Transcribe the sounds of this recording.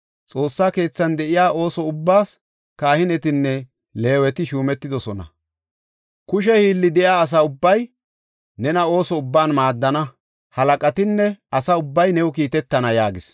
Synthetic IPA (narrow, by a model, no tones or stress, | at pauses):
t͡sʼo̞ːsːaːke̞ːt͡sːɐnd̪ɛʔɪjaːʔo̞ːsɔʊbːaːs | kaːhɪnɛt̪ɪnːɛ | le̞ːwɛt̪ɪʃuːmɛt̪ːɪd̪ɔsɔnɐ̰ | kʊʃ̬ɛhiːlːɪd̪ɛjaːs̬ɐʊbːɐj | nɛnɐo̞ːsɔʊbːaːnmaːd̪ːɐnɐ | hɐlɐkʼɐt̪ɪnːɛɐsɐʊbːɐjnɛwʊkiːt̪ɛt̪ːɐnɐjaːɡɪs